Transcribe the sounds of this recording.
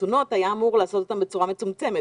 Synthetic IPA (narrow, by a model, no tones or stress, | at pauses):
uno̞t̪ajaːmuʁlaːso̞t̪o̞t̪ambet͡suʁame̞t͡sumt͡se̞me